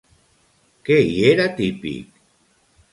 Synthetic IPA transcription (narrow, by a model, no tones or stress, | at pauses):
keieɾat̪ipḭk̚